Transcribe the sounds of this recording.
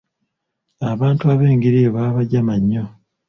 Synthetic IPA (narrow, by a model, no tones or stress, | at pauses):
aβaːntuaβe̞ːŋɡiɾiβaːβaɟamaɲːo